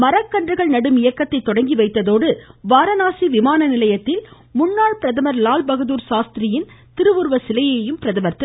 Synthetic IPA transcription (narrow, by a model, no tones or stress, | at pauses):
mɐɾɐkːɐɳdrɯɣɐɭnɐɽɯmɪjɐkːɐt̪ːɐɪt̪ːɔɽɐŋɡiʋɐɪt̪ːɐðoːɽɯʋaːɾɐnaːsiʋɪmaːnɐnɪlɐjɐt̪ːɪl | mʊnːaːɭpɪɾɐðɐmɐɾlaːlbɐɣɐðuːɾsaːst̪ɪɾɪjɪnt̪ɪɾɯʋɯɾʋɐsɪlɐjeːjɯmpɪɾɐðɐmɐɾt̪ɪ